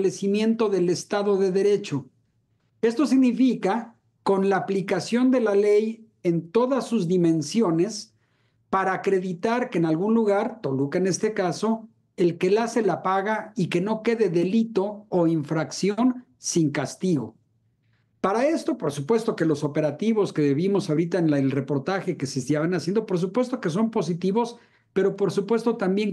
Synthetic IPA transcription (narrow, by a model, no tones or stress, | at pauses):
le̞simje̞nt̪o̞ðe̞le̞st̪aðo̞ðe̞ðe̞ɾe̞t͡ʃo̞ | e̞st̪o̞siɣnifika | ko̞nlaːplikasjo̞nd̪e̞lale̞j | e̞nt̪o̞ðasːuzðimẽ̞nsjo̞ne̞s | paɾaːkɾe̞ðit̪aɾke̞ːnalɣunluɣaɾt̪o̞lukene̞st̪e̞kaso̞ | e̞lke̞lase̞lapaɣaike̞no̞ke̞ðe̞ðe̞lit̪o̞ːiɱfɾaksjo̞n | siŋkast̪iɣo̞̰ | paɾae̞st̪o̞po̞ɾsupwe̞st̪o̞ke̞lo̞so̞pe̞ɾat̪iβ̞o̞ske̞ðeβimo̞sawɾit̪aenelre̞po̞ɾt̪axe̞kesest̪jaβanasjend̪opo̞ɾs̬upwe̞st̪oke̞s̬o̞mpo̞s̬it̪iβo̞s | pe̞ɾo̞po̞ɾsupwe̞st̪o̞t̪ambje̞ŋ